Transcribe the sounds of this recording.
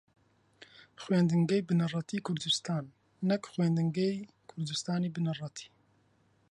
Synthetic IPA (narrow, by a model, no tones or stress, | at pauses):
xweːnd̪ɨŋɡɛjbɨnɨrˤɑt̪ʰiːkʰʊɾd̪ɨst̪ɑːnː | ɛkxweːnd̪ɨŋɡej | kʰʊɾd̪ɨst̪ɑːniːbɨnɨrˤɑt̪ʰi̥ː